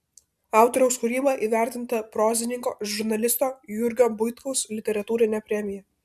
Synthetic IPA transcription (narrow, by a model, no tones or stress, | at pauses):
ɑˑʊt̪ɔːɾʲɛʊskʊɾʲiːbɐʔiːʋʲæˑɾʲt̪ʲɪnt̪ɐpɾoːzʲɪnʲɪŋko̰ːʒʊɾnɐlʲɪst̪oːjʊɾʲɡʲoːbʊɪt̪kɐʊslʲɪt̪ʲɛɾɐt̪uːɾʲɪnʲɛpʲɾʲɛmʲɪjɛ